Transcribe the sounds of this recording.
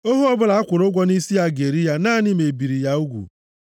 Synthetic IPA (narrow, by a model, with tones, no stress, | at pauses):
o˦ɦu˦ɔ˦bʊ˦la˨a˦kʷʊ˨ɾʊ˦ɡʷɔ˦ni˦si˦a˦ɡe˨ɾi˦ja˦naː˦nɪ˦me˨bi˨ɾi˨ja˦u˦ɡʷṵ˨